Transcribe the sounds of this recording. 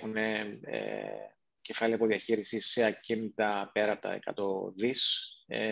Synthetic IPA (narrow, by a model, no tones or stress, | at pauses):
xuneḛ | cefɐliɐpoðiɐçiɾisiseɐcint̪ɐpeɾɐt̪ɐ̰ḛkɐ̰t̪o̞ðisḛ